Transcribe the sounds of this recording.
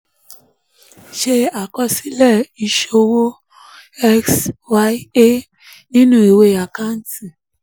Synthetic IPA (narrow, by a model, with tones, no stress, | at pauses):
ʃe˧a˨kɔ˧si˦lɛ˦˨i˨ʃo˧wo˦ | ɛ˦kswa˦i˦e˦ | nĩ˦nũ˦˨i˨we˦˨a˨ka˦n̩˦ti˨